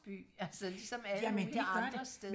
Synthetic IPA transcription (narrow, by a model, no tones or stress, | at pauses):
b̥y̰ːælsəlisɒ̽mæljæmend̥eɑ̥ɐsd̥e